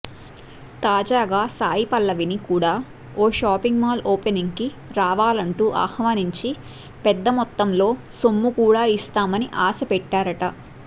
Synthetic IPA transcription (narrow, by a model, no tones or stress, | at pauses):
t̪aːd͡ʒaːɡaːsaːjipɐlːɐʋinikuːɽaː | oːʃaːpiŋɡmaːloːpeniŋki | ɾaːʋaːlɐɳʈuːʔa̰ːhʋaːniɲt͡ʃi | pɛd̪ːɐmɔt̪ːɐmlo̞ː | somːukuːɽaːist̪aːmɐniʔaːsɐpɛʈːaːɾɐʈɐ